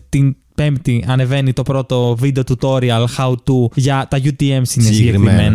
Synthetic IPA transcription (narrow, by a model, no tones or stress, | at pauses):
t̪in | pe̞mpt̪iɐne̞ve̞nit̪o̞pɾo̞t̪o̞vid̪e̞o̞t̪ut̪o̞ɾiɐlxɐut̪uʝɐt̪ɐʝut̪ie̞msinesɡɟeɾkɾimen